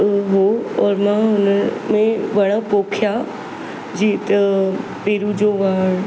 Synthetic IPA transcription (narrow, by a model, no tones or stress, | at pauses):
ɦoɔːɾmãɦʊnəmẽʋɐɽ̃ãpoːkʰja | d͡ʑiːt̪ɐpeːɾud͡ʑoːʋaːɦɽ